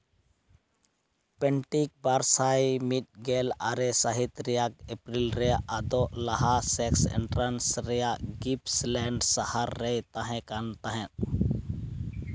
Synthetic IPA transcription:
pɛɳʈik̚baɾsaimiʈ̚ɡela̰ɾesaɦɪt̪ɾijak̚epɾilɾejaʔad̪olaɦasɛksɛ̰ɳʈɾansɾɛjaɡipslɛɳɖsəhaɾːɛjt̪aɦɛ̃kant̪aɦɛ̃

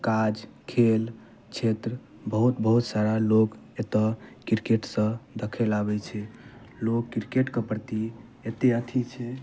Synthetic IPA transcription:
kad͡ʒkʰel | t͡ʃʰet̪ɾə | bəɦut̪bəɦut̪saɾalok | et̪əkiɾkeʈsə̃d̪əkʰɛlabɛt͡ʃʰɛ | lokːiɾkeʈkəpɾt̪i | et̪eət̪ʰit͡ʃʰɛ

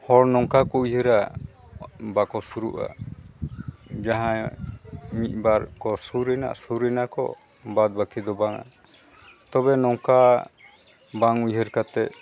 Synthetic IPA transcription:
hɔɾnɔŋkakɔujɦəɾa | bakɔsuɾṵʔa̰ | d͡ʒaɦã | mit̪̚ˀbaɾkɔsuɾɛna̰ʔsuɾɛnakɔ̰ | bad̪̚bakid̪ɔbaŋa̰ | t̪ɔβɛnɔŋka | baŋujɦəɾkat̪ɛʔ

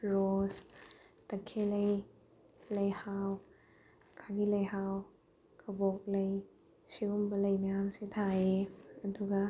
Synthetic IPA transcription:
ɾostɐkʰːelɐj | lɐjhaw | kʰaɡilɐjɦaw | kʰɐbok̚lɐj | siumbɐlɐjmɐjamsetʰaeɐduɡɐ

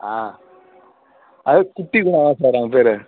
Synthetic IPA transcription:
aː | ɐkʊʈːikʊɳãːʋãːsaːɾaːŋɡɐpeːɾɛ

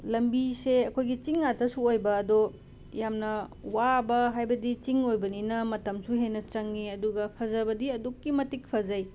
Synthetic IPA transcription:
lɐmbiseɐkʰojɡit͡ʃiŋːatʰɐsuojbɐːdo | jamnɐwabɐɦajbɐdit͡ʃiŋojbɐninɐmɐtɐmsuɦenɐt͡ʃɐŋːiɐduɡɐpʰɐzɐbɐdiɐdukːimɐtik̚pʰɐzɐj

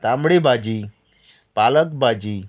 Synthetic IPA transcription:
t̪ambɽebad͡ʑi | palək̚bad͡ʑiː

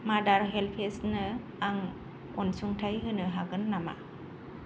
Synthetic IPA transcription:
madaɾɦelpʰesnɯ | aŋ | ɔnsuŋtʰajɦɯnɯɦaɡɯnːama̰

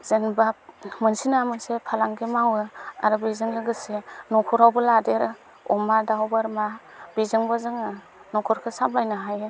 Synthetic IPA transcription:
z̥enbamɯnsinamɯnsepʰalaŋɡemawɯa̰ɾɯbizɯŋlɯɡɯsenɔkʰɔɾawbɯladeɾ | ɔ̰madawbɯɾma | bizɯŋbazɯŋa | nɔkʰɔɾkʰɯsabajnɯɦajɯ

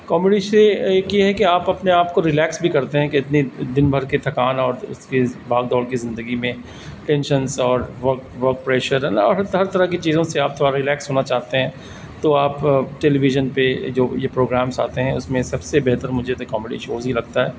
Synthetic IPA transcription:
kɔːmɪɖiʃeeːkjeɦɛkeaːpɐpneaːpkoɾɪlɛːksbʱikɐɾt̪eɦɛ̃keɪt̪nid̪ɪnbʱɐɾket̪ʰɐkaːnɔːɾʊ̰skibʱaːɡ̚d̪ɔːɽkizɪ̃nd̪əɡimẽ | ʈɛ̃nʃənsɔːɾʋɐɾkʋɐɾk̚pɾɛːʃəɾnɔ̰ːɾɦɐɦɐɾt̪ɐɾakit͡ʃiːzõseaːp̚t̪ʰoːɽaɾɪlɛːksɦoːnat͡ʃaːɦt̪eɦɛ̃ː | t̪oaːpʈeːliʋɪʒənped͡ʒoːjepɾoːɡɾaːmsa̰ːt̪eɦɛ̃ʊ̰smẽsɐbsebɛɦt̪əɾmʊd͡ʒʱet̪kɔːmɪɖḭʃoːzɦilɐɡ̚t̪aɦɛː

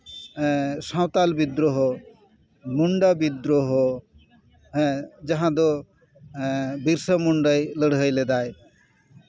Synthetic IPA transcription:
sãwt̪albid̪ɾoɦɔ | muɳɖabid̪ɾoɦɔ | d͡ʒaɦãd̪ɔ | biɾsəmuɳɖəjləɽɦəjlɛd̪aj

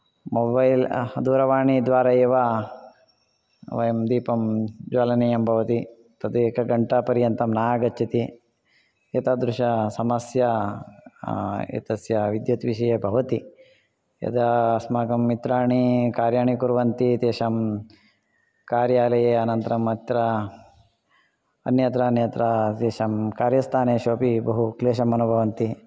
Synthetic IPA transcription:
mobɐjld̪uːɾɐʋaːɳid̪ʋaːɾɐjeːʋa | ʋɐjɐmd̪iːpɐmd͡ʒoːlɐnɐjɐmbʱɐʋɐt̪i | t̪ɐd̪uekɐɡɐɳʈɐpɐɾjɐnt̪ɐmnaːaɡɐtːt͡ʃʰɐt̪i | et̪ɐd̪ɾuʂɐsɐmɐsjɐ | ḛt̪ɐsjɐʋid̪jɐt̪ʋiʃɐjebʱɐʋɐt̪i | ɐ̰d̪ɐsmaːkɐmːit̪ɾaːɳikaːɾjaːɳikuɾʋɐnt̪it̪eːʃɐm | kaːɾjaːlɐjeːɐnɐnt̪ɐɾɐmɐt̪ɾɐ | ɐ̰njɐt̪ɾɐɐnjɐnt̪ɾɐt̪eːʃɐmkaːɾjɐst̪ʰaːneːʃoːpibɐɦukleːʃɐmɐnubʱɐʋɐnt̪i

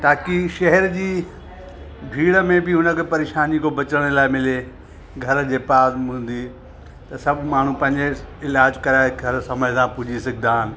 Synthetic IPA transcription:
ʈ̪aːkiʃɐɦɛɾd͡ʑiː | bʱiːɽə̆mẽbɪʊnəkʰepɐɾeːʃaːnikobɐt͡ɕəɽ̃laːɪmɪle | ɡʱɐɾd͡ʑeːpaːzɦũːn̆d̪i | t̪ɐsɐbʱmaːɳ̤ũpɐ̃ɦɪ̃ɲd͡ʑeɪlaːd͡ʑkɐɾaːɡʱɐɾsɐməsãpʊd͡ʑisɐɡʱɪd̪aːɦɪn̆

